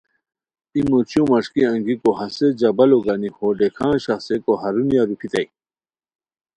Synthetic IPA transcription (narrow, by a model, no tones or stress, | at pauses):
imot͡ɕjũmɐʂkiɐ̃ŋɡikohɐsed͡ʑɐbɐloɡanihoːɖekʰãːɕɐxsekoɦɐɾunjaɾupʰit̪ɐj